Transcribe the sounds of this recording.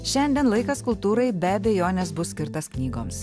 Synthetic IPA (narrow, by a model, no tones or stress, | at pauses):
ʃʲɛnʲd̪ʲiɛnlˠɐɪkɐskʊlˠt̪uːɾɐɪbʲɛbʲɛjoːnʲɛsbʊsʲkʲɪɾt̪ɐsknʲiːɡoːms